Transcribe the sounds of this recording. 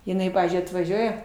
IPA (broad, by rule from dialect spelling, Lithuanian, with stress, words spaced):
jɪˈnɐɪ ˈpɑːʋʲiːzʲd͡ʒʲʊɪ ɐtʋɐˈʒʲuɔjɛ